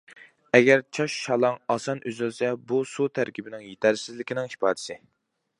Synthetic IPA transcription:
ɛɡʲæɾt͡ʃʰɑʃʃɑlˠɑŋɑsɑnʔøzylsɛbusut̪ʰæɾkʲibɪnɪŋjet̪ʰæɾsɪzlɪkʲinɪŋhi̥pʰɑːd̪ɪ̥sɪ

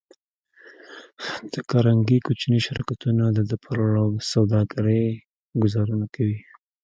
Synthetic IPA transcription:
d̪̥əkaɾaŋɡikut͡ʃniʃaɾɑ̰kat̪unad̪əd̪əpʰaɾɽasawd̪ɑɡaɾəj | ɡʊzɑɾunakawi

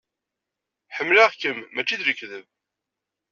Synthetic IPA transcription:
ħəmːlaʁkəmːæt͡ʃːid̪ləkːðəv

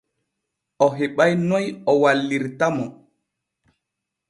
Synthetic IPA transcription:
ɔɦeɓajnɔjɔwalːiɾtamɔ

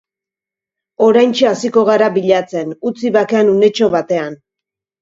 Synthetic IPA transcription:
o̞ɾajnt͡ʃeasiko̞ɣ̞aɾaβiʎat͡se̞nut͡siβake̞anune̞t͡ʃo̞βat̪e̞an

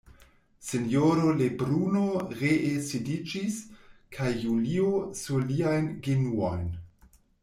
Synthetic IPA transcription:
senjoɾolebɾunoɾeʔesidid͡ʒiskʰajːuliosuliajnɡenuo̰jn

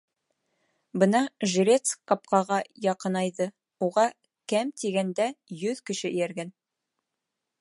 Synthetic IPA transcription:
bɤnɑʒĭɾʲet̪skɑp̚qɑʁɑjɑqɤ̆nɑjðɤ | uʁɑ | kæmt̪iɡænd̪æjɵðkɘ̆ʃɘʔɘ̆jæɾɡæn

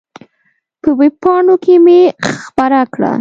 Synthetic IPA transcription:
pəweb̚pɑɳokemexpaɾakɽa̰

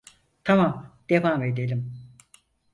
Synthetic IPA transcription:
t̪ʰamamd̪̥evaːmed̪elʲim

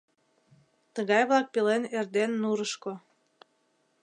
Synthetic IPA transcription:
t̪əɣɑjβlɑk̚pelenerd̪enːuɾəʃko

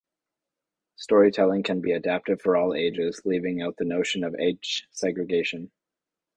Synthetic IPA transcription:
stɔɹitʰɛlˠɪ̃ŋkʰɨ̃nbiɨdæp̚tɨd̥fə˞ɔlˠeɪd͡ʒɪz̥livɪ̃ŋaʊt̪̚ðɨnoʊʃɨ̃nʌvḛɪt͡ʃsɛɡɹɨɡeɪʃɨ̃n

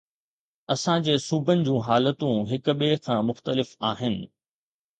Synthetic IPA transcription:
ɐsãd͡ʑeːsuːbʱənɪ̆d͡ʑũːɦaːlət̪ũɦɪkɓekʰãːmʊxt̪əlɪfaːɦɪnɪ̆

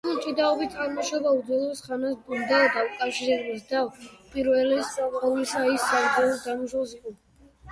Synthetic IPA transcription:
ult͡ʃʼid̪aɔbit̪ʰʼaɾmɔʃɔbaud̪zwɛlˠɔsχanad̪aɔd̪aukʼafʃiɾɛbɛsd̪apʼiɾvɛlɛsaɔulisaisːaɾd̪ɛlɔsd̪amuʃɔlˠsiqʼɔ

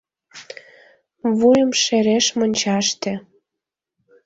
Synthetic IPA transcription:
βujə̆mʃeɾeʃmonʲt͡ɕɑʃt̪ĕ

